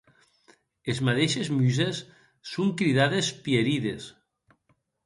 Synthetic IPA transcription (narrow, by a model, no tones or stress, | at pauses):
ezmaðeʃezmyzesː | uŋkɾiðaðespieɾiðes